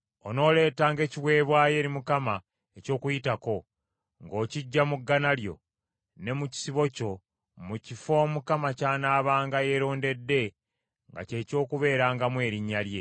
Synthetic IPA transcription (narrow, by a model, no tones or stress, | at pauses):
ono̞ːle̞ːtaːŋɡe̞ːciwe̞ːβwaːje̞ːɾimukama | eco̞ːkujitako̞ | ŋɡo̞ːciɟːamuɡːanaljo̞̰ | ne̞muci̥siβo̞co̞ | mucifo̞ːmukamacaːnaːβaːŋɡaje̞ɾo̞ːnde̞dːe̞ | ŋɡa̰ce̞co̞ːkuβe̞ːɾaːŋɡamwe̞ːɾiɲːalje̞